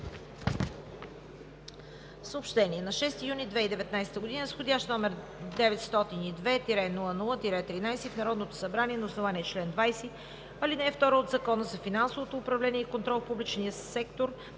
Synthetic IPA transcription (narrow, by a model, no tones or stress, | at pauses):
fsəʊpʃt̪ɛniɛnɐʃɛst̪ijunid̪vɛid̪ɛvɛt̪najsɛ̥t̪əɡʊd̪inəsxod̪ʲaʃt̪nɔmɛɾ | d̪ɛvɛt̪st̪ɔt̪inid̪vɛt̪iɾɛnulˠənulˠət̪iɾɛt̪ɾinajsɛfnɐɾɔd̪not̪o̥sɐbɾaniɛnɐʊsnovaniɛt͡ʃlɛnd̪vajsɛ | ɐlinɛɛft̪ɔɾəod̪zɐkɔnəzɐfinansovot̪oːpɾɐvlɛniɛikont̪ɾɔlˠfpublit͡ʃniəsɛkt̪oɾ